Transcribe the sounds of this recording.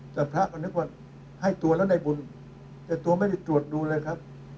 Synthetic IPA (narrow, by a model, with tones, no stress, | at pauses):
t̪ɛː˨˩pʰɾa˦˥ʔkʰɔː˧˩nɯ˦˥k̚waː˥˩ | ha˥˩jt̪u˧əlɛː˦˥wna˧jbu˧n | t̪ɛː˨˩t̪u˧ɐma˥˩jda˥˩jt̪ɾu˨˩ət̪̚duː˧lɤː˧jkʰɾa˦˥p̚